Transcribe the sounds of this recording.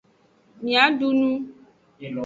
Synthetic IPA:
mĩ˨a˨˦ɖu˦nũ˦˨

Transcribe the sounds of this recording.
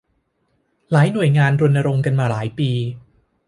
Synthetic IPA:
laː˩˦jnu˨˩əjŋaː˧nɾu˧ənːa˧ɾo˧ŋka˧nmaː˧laː˩˦jpiː˧

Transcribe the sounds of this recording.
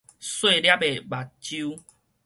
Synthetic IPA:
swe˥˧˨lja˦pe˨˩ba˨˩t̚t͡ɕu˦

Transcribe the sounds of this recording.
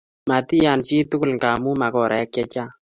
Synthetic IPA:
ma˨ti˦ja˨nt͡ʃi˦tʊ˦kʊ˦lŋɡa˨mu˦ma˨kɔ˨ɾʔa˨ɛ˦kjɛ˦t͡ʃa˦

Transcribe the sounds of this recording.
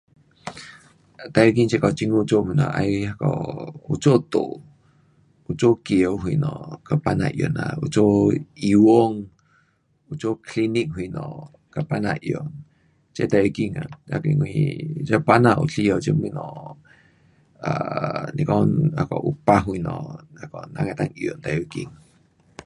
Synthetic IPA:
t̪a˧jo˧k̬i˦ŋt͡ʃe˦˧kɔ˨t͡ʃi˧ŋu˧t͡ʃo˦mĩ˨na˨ʔajha˧kɔ̰˨u˧t͡ʃo˦ʔt̪o˨ʔ | u˧t͡ʃo˦kje˨˧ɦwi˧nɔ̃˨ka˨pa˧nã̰˧ʔjo̰˨na̰˨u˧t͡ʃo˦iwo˦ŋ | u˧t͡ʃo˦kli˧ni˦ʔhu˧i˧nɔ̃˨ | ka˨pana˧ʔjo˨ | t͡ʃe˦t̪a˧i˧ki˦˧ŋa˨a˨kŋ˧ḭ˧t͡ʃa˦pa˦nã˧ʔṵ˧ɬi˦o˧t͡ʃə˦mĩ˦nɔ̃˨ | a˨ni˧kɔ˦na˨kɔ˨ʔu˧pa˦ɦu˧i˧nɔ̰̃˨a˨ko˨na˧ŋe˧t̪a˧ŋjo˨ʔnt̪a˧ʔu˧kḭ˧ŋ

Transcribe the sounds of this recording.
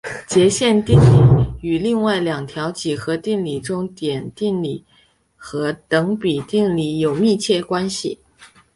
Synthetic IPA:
t͡ɕjɛ˧˥ɕjɛ˥˧nt̪i˥˩ŋli˨˩y˨˩li˥˧ŋwa˥˩ɪljɑ˨˩ŋt̪ʰjɑ˧˥ʊt͡ɕi˨˩xɤ˧˥t̪i˥˩nli˨˩ʈ͡ʂʊ˥ŋt̪jɛ˨˩nt̪i˥˩nli˨˩˦ | xɤ˧˥t̪ɤ˧˥ŋpi˨˩t̪i˥˩nli˨˩jo˨˩ʊmi˥˧t͡ɕʰjɛ˥˩kwa˥nɕḭ˨˩

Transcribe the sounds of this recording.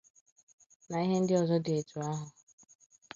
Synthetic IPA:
na˨i˦ɦe˦n̩˦dɪ˦ɔ˨zɔ˦de˨tʰu˨a˦ɦʊ˨

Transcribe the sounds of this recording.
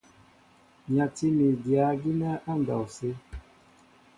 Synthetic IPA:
ɲa˨ti˦mi˨dja˨˦ɡi˦na˦ʔa˦n˨ɡa˨wse˦

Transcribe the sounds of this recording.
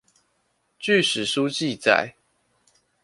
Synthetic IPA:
t͡ɕy˥˨ʂɻ̩˨˩ʂu˦t͡ɕi˥˨t͡sa̰˨˩˨ɪ

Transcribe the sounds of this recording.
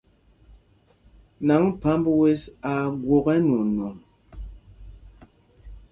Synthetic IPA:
na˨˦ŋpa˨˦mbwe˦sa˨ɡwo˨ɣɛ˦n˨o˨nwo˨m

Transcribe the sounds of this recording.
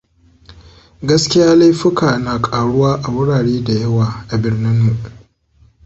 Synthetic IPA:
ɡɐ˦skʲɪ˦jaː˦la˦jɸɪ˦kaː˨naː˨kʼaː˨ɽʊ˦waː˦ʔa˨wʊ˦ɽaː˨ɽeː˦da˨jɐ˦waː˨ʔa˨bɪ˦rnɪ˦mmu˨ʔ

